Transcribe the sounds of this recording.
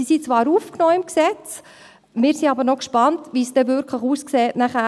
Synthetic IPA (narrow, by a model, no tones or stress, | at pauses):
isit͡sʋɑːɾuːfknɔːɪmksɛt͡s | mɪːɾsiɑbəɾnɔkʃpɑntʋisd̥ɛvʏɾkʰləχuːskseːtnæχæ